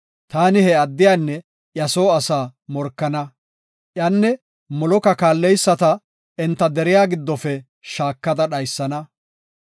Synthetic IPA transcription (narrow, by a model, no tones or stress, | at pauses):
t̪aːnɪhɛɐd̪ːɪjanːɛ | ʔjɐsoːɐsaːmɔɾkːɐnɐ | ʔjɐnːɛ | mɔlɔkɐkaːlːɛjsːɐt̪ɐ | ɛnt̪ːɐd̪ɛɾɪjaːɡɪd̪ːɔfɛ | ʃaːkːɐd̪ɐɗɐjsːɐnɐ